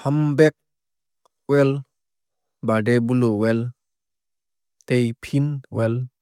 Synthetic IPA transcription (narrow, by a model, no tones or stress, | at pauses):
hambɛk̚ | wɛl | baɖebulowɛl | tejpʰinwɛl